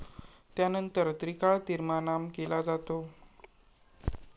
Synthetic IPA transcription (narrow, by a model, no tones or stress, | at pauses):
t̪janənt̪əɾt̪ɾikaɭt̪iɾmanamkelad͡zat̪o